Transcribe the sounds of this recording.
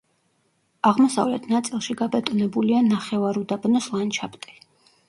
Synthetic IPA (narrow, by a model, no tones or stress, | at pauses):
aʁmɔsavlɛt̪ʰnat̪sʼilˠʃiɡabɛt̪ʼunɛbulianaχɛvaɾud̪abnɔslˠant͡ʃʰapt̪ʼɛ